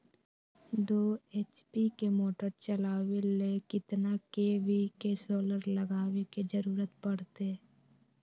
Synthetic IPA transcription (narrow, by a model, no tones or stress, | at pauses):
d̪oːeːt͡ʃpikemoːʈəɾt͡ʃəlaːwelekɪt̪nakeʋikesoːləɾləɡaːweked͡ʒəɾuːɾət̪pɐɽt̪e